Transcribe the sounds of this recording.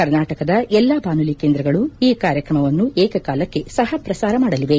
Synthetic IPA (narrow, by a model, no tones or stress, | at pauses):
kɐɾnaːʈɐkɐd̪ɐʔɛlːaːbaːnulikeːnd̪ɾɐɡɐɭuiːkaːɾjɐkɾɐmɐʋɐnːuʔɛːkɐkaːlɐkːe̞sɐɦɐpɾɐsaːɾɐmaːɽɐliʋe̞